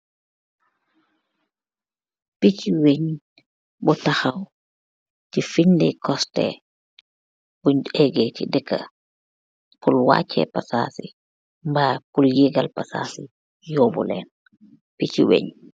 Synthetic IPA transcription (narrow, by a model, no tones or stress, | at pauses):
pit͡ʃiweɲ | bɔtaxaw | tifiɲdɛkɔstɛ̰ | buɲɛɡɛtidɛkːa̰ | pulwa̰ːt͡ʃʰːɛ̰pasa̰si | mbapuljeɡalpasa̰ːsi | jɔːbɔ̰lɛ̰ːn | picḭwḛɲ